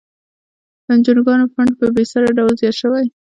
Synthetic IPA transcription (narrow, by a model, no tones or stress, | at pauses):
d̪ənd͡ʒunɡɑnofaɳɖ̚pəbesaɾaɖawlzjɑt̪ʃəwaj